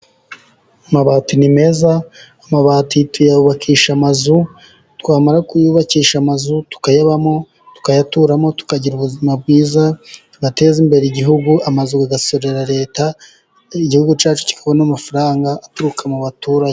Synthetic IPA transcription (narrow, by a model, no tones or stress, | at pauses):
amaβaːtinime̞zaː | maβaːtitujauβakʰiːʃamazu | twaːmaɾakujuːβakiːʃamazutu̥kajaβamo̞ | tu̥kajatuɾamo̞tu̥kaɟiɾuβuzimab̚ɡiːzatuɡate̞ːzimbe̞ɾeiɟiɦuɡuamazuɡaɡasoɾeɾaɾe̞ːta | iɟihuɡut͡ʃaːt͡ʃu̥ci̥kʰaβonamafaɾaːŋɡaʔːtuɾukʰamuβatuːɾaɲe